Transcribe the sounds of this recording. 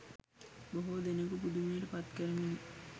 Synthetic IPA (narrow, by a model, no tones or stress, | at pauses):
boɦod̪enəkupud̪umiəʈəpat̪kəɾənenː